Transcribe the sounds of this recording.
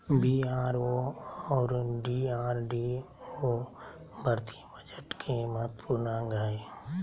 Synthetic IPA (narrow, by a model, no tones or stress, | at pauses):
biːaːɾoɔːɾɖiːaːɾɖi | oː | bʱəɾt̪ibəd͡ʒəʈkʰeməɦət̪puɾnaɡaːe